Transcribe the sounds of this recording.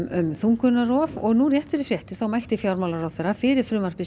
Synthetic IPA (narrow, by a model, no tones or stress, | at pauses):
ʏmθuŋkʏnːarɔːvɔɣnurjɛht̪fɪɾɪfɾjɛht̪ɪɾ̥θawmajl̥t̪ɪfjawɾmawlaɾawθɛɾafɪːɾɪɾ̥fɾʏːmar̥pɪ